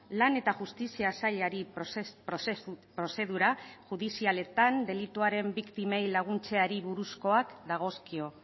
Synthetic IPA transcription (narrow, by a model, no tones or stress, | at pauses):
lane̞t̪aʝust̪isiasaʎeaɾippɾo̞se̞ðuɾaʝuðisiale̞t̪and̪e̞lit̪uaɾe̞mbikt̪ime̞jlaɣ̞unt͡se̞aɾiβuɾusko̞akd̪aɣ̞o̞skio̞